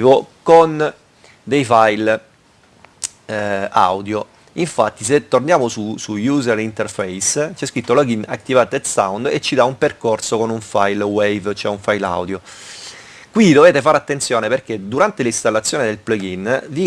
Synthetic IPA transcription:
vokon | d̪ejfajl | a̰wd̪jo | iɱfat̪ːis̬et̪ːornjaːmosusujuːzeɾint̪erfɛjst͡ʃɛskɾit̪ːolɔɡina̰k̚t̪ːivaːt̪et̪sawnd̪et͡ʃːid̪aumperkorsokonuɱfajlwejvt͡ʃoɛuɱfajla̰wd̪jo | kwid̪oveːt̪efaːɾat̪ːent̪sjoɔːneperked̪uɾant̪elist̪alːat̪sːjoːned̪elplɔɡinvi

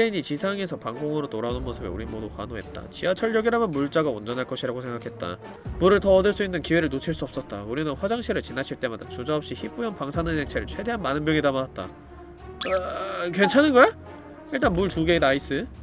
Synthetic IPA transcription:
eiɲit͡ɕisʰaŋe̞sʰʌpaŋɡoŋɯɾotoɾanonmʌsʰɯbḛuɾimodukwa̰noɦe̞̰t̚t͈a̰t͡ɕiat͡ɕʰʌɭːʌɡiɾamjʌnmuɭt͡ɕ͈aɡaond͡ʑʌnɦaɭk͈ʌɕʰiɾaɡosʰe̞ŋɡakʰe̞t̚t͈a̰ | muɾɯɭtʌːdɯɭs͈uinːɯnkiwe̞ɾɯɭnot͡ɕʰiɭs͈uʌp̚s͈ʌt̚t͈auɾinɯnɸwad͡ʑaŋɕʰiɾɯɭt͡ɕinaɕʰiɭt͈e̞madat͡ɕud͡ʑaʌpɕ͈içip͈ujʌnpaŋsʰanɯnɦeŋt͡ɕʰeɾɯɭt͡ɕʰwe̞de̞ɦanmanɯnmjʌŋidamanat̚t͈a̰ | kwe̞nt͡ɕʰanɯnɡʌja | iɭt̬͈anmuɭtuɡe̞inais͈ɯ

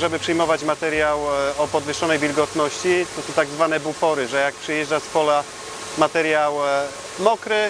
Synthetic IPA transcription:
ʐɛbɘpʂɛjmɔvat͡ɕmat̪ɛɾʲjawɔpɔd̪vɘʂɔnɛjvʲilɡɔt̪nɔɕt͡ɕit̪ɔsɔ̃w̃t̪aɡzvan̪ɛbupɔɾɘʐɛjak̚pʂɛjɛʐd͡ʐaspɔla | mat̪ɛɾʲjaw | mɔkɾɘ

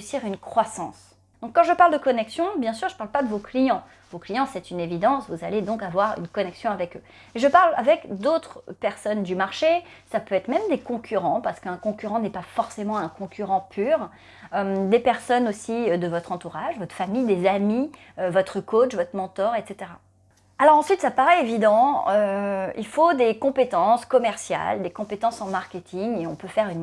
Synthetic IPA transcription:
ysiʁynkχwasɑ̃s | d̪ɔ̃kːɑ̃ʒəpaʁld̪əkɔnɛksjɔ̃bjɛ̃syʁʒəpaʁlpad̪əvoklijɑ̃ | voklijɑ̃sɛt̪ynevid̪ɑ̃svuzaled̪ɔ̃kavwaʁy̰nkɔnɛksjɔ̃avɛkø | eʒəpaʁla̰vɛkd̪ot̪χpɛʁsɔnd̪ymaʁʃesapøɛt̪χmɛmd̪ekɔ̃kʲʰyʁɑ̃paʁsə̥kəɛ̃kɔ̃kʲyʁɑ̃nɛpafɔʁsemɑ̃ɛ̃kɔ̃kʲyʁɑ̃pʰyʁ | ømd̪epɛʁsɔnosid̪əvɔt̪χɑ̃t̪uʁaʒvɔt̪χə̥famijd̪ezami | øvɔt̪χəkot͡ʃvɔt̪χmɑ̃t̪ɔʁɛt̪set̪eʁa | alɔʁɑ̃sɥit̪sapaʁɛevid̪ɑ̃øḭlfod̪ekɔ̃pet̪ɑ̃skɔmɛʁsja̰ld̪ekɔ̃pet̪ɑ̃sɑ̃maʁkʲet̪ʰiŋeɔ̃pøfɛʁyn

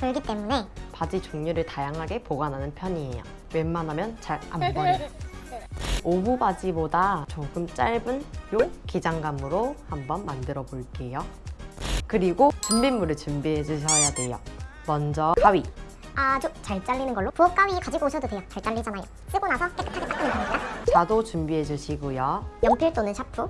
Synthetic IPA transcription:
pɯɭɡit͈e̞mune̞pad͡ʑit͡ɕoŋɲuɾɯɭtajaŋɦaɡe̞poɡanɦanɯnpʰjʌɲie̞̰jo̰ | we̞mmːanɦamjʌnt͡ɕaɾha̰mbʌn | obubad͡ʑibodat͡ɕoŋɡ͈ɯmt͡ɕ͈aɭbɯnjoked͡ʑaŋɡamɯɾohambʌnmandɯɾʌboɭk͈e̞jo | kɯɾiɡot͡ɕumbinmuɾɯɭt͡ɕumbiɦe̞d͡ʑuɕʰʌjadwe̞jomʌnd͡ʑʌk͈aɥi | at͡ɕot͡ɕaɭt͡ɕ͈aʎːinɯnɡʌɭːopuʌk͈awɥikad͡ʑiɡoɕʰʌdode̞jʌt͡ɕaɭt͡ɕ͈aɭːid͡ʑanajo | k͈ʰɯɡonasʰʌk͈ek͈ɯ̥tʰaɡet͈akɯnepamːit͈at͡ɕadot͡ɕumbiɦe̞d͡ʑuɕʰiɡujojʌŋpʰjiɭt͈onɯnt͡ɕʰapʰu

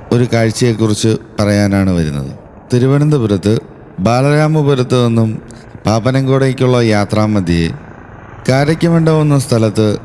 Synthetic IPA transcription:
o̞ɾukaːɻt͡ɕːɐjekːurit͡ɕːɨpɐrɐjaːnaːɳɨʋɐɾunːɐ̰ðɨ̰ | t̪iɾuʋɐɳind̪ɐpuɾɐt̪ːɨ | baːlɐɾaːmɐpuɾɐt̪ːɨonːum | paːpɐnɐŋɡoːɽekʲːuɭːɐjaːt̪raːmːɐd̪ʱjijḛ | kaːɾɐkʲːɐmeɳɖɐonːɐst̪ʰɐlɐt̪ːɨ

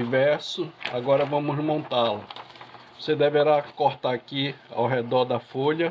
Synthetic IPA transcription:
ivɛɾsʊaɡɔɾɐvɐ̃mʊzmõnt̪alɐvosed̪eveɾakoɾt̪aɾakia̰wɦed̪ɔɾd̪ɐfoʎɐ

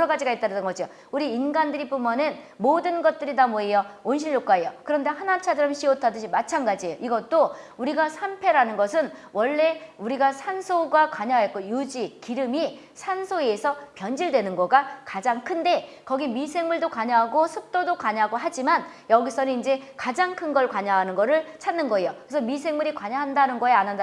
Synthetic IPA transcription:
ɾʌɡad͡ʑiɡaet͈̚aɾɯdɯnɡʌd͡ʑio | uɾiːnɡandɯɾip͈omʌnɯn | modɯnɡʌt̚t͈ɯɾidamoejʌonɕ̬ʰinːok͈aejokɯɾʌnde̞hanat͡ɕʰadɯɾʌmɕʰiotʰadɯɕʰimat͡ɕʰanɡad͡ʑiejoʔiɡʌt̚t͈ouɾiɡasʰampʰe̞ɾanɯnɡʌsʰɯnwʌɭːe̞uɾiɡasʰansʰoɡwakaɲaɦajʌt̚k͈ojud͡ʑikiɾɯmi | sʰansʰoeːsʰʌpjʌnd͡ʑiɭdwe̞nɯnɡʌɡakad͡ʑaŋkʰɯnde̞ | kʌɡimisʰe̞ŋmuɭdokwaɲaɦaɡosʰɯp̚t͈odokaɲaɦaɡoɦad͡ʑimanjʌɡis͈ʰʌninind͡ʑe̞kad͡ʑaŋkʰɯnɡʌɭkwaɲaɦanɯnɡʌɾɯɭt͡ɕʰadnːɯnɡʌejokkesʰʌmis̬ʰe̞ŋmuɾikwaɲaɦandanɯnɡʌeanand

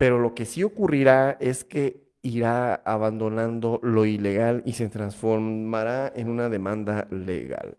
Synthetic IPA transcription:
pe̞ɾo̞lo̞ke̞sio̞kuriɾae̞ske̞ | iɾaaβand̪o̞nãnd̪o̞lo̞ile̞ɣalise̞t̪ɾansfoɾmaɾaenunaðe̞mãnd̪alḛɣa̰l

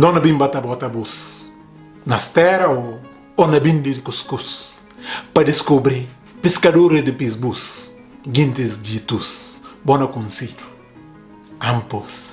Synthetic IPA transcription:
nd̪ɔnɐbĩmbat̪abɔt̪ɐbus | nɐst̪ɛɾɐo | onɐbind̪ɪdɪkuskus | pɐd̪ɪskobɾi | piskɐdoɾed̪ɪpisbus | ɡĩnt̪izɡit̪usbonɐkunsid͡ʒu̥ | ampos

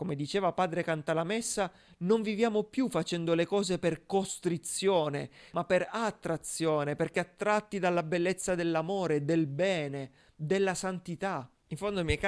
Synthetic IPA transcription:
komed̪it͡ʃeːvapaːd̪ɾekant̪alamesːa | noɱvivjaːmopjufːat͡ʃɛnd̪olekɔːzeperkost̪ɾit̪sjoːnemapːeɾat̪ːɾat̪sjoːneperk̟eat̪ːɾat̪ːid̪alːabelːet̪sːad̪elːamoːɾed̪elbɛːne | d̪elːasant̪it̪a | iɱfond̪omɛk

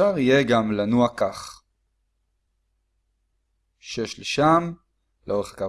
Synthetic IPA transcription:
aʁijeɡamlanuakaχ | ʃeʃleʃam | leo̞eχḁka

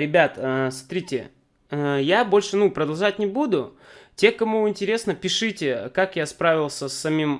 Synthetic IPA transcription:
ɾʲɪbʲat̪əsmɐt̪ɾʲitʲɪ̰ | əjabo̞lʲʂɨnupɾəd̪ɐlˠʐat̚ʲnʲɪbud̪ʊ | tʲe̞kɐmuɪnʲtʲɪɾʲe̞snəpʲɪʂɨtʲɪkakjaspɾavʲɪlˠsʲəsːɐmʲim

